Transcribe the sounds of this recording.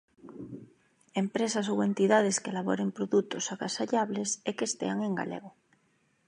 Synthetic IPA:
empɾesasowent̪iðað̞eskelaβ̞o̰ɾempɾoðut̪osaɣasaʎaβlesekest̪ḛaŋẽ̞ŋɡa̰lḛɣo

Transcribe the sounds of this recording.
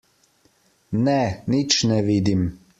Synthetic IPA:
nɛnit͡ʃnɛʋiːd̪im

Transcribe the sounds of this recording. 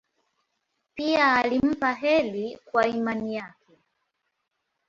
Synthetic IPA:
piaːlim̩paɦɛlikwaimanijakɛ

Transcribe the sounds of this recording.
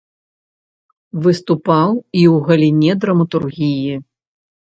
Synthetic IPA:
vɨst̪upawiwɣɐlʲinʲɛd̪ɾɐmɐt̪urɣʲiji

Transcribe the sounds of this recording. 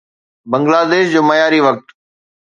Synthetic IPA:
bə̃ŋɡlaːd̪eːʃd͡ʑoːməjaːɾiʋək̚t̪

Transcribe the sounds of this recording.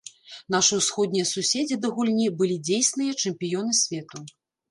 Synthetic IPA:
n̪aʂɨwsxɔd̪ʲnʲijɐsusʲed͡zʲid̪ɐɣulʲnʲibɨlʲid͡zʲejsʲnɨjɐt͡ʂɛmpʲijɔnɨsʲvʲɛt̪u

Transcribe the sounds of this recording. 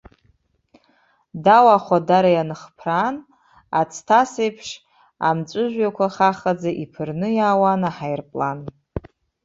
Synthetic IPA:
dawaχʷadaɾajanɨχpʰran | at͡sʰtʰasejpʰʂ | a̰mt͡ʃʷʼʊʒᶣʷjakʷʰaχaχad͡zaʔipʰɨrnɨjaːwanaħajrpʼlan

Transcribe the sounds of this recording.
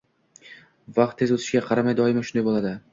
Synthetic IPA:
vɑq̚t̪ʰːezɵt̪ʰɪ̥ʃɡʲaqʰɑɾamajd̪ɒɪmaʃʊnd̪ajbolˠad̪ɪ

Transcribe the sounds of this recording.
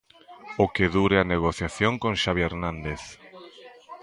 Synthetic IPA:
okeðuɾeaneɣ̞oθjaθjoŋkõŋʃaβjeɾnãnd̪eθ

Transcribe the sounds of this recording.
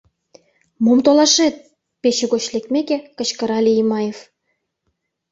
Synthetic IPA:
momt̪olɑʃet̪̚ | peɕĕɡot͡ɕlʲekt̪mʲekʲekɤ̆t͡ɕkɤ̆ɾɑlʲiimɑjef

